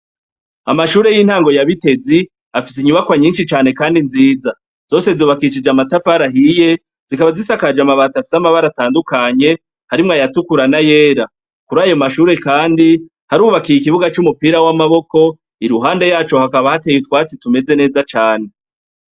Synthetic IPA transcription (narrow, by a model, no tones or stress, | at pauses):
a̰maʃuːɾe̞jiːn̥haːŋɡo̞jaβite̞zi | afisiɲuβakwaɲiːnʃit͡ʃaːne̞kaːndinziːza | z̥o̞ːse̞zoːβakiʃ̬id͡ʒamatafaɾaɦije̞ | z̥ikaβazisakad͡ʒamaβatafi̥samaβaɾataːndukaɲe̞ | haɾimŋajatukuɾanaje̞ːɾa | kuɾaːjo̞maʃuːɾe̞kaːndi | haɾuːβakiɾik̬iβuɡat͡ʃumupiːɾawamaβo̞ko̞ | iɾuɦaːnde̞jaːt͡ʃo̞hakaβahateːjutwaːt͡situme̞ze̞ne̞ːzat͡ʃaːne̞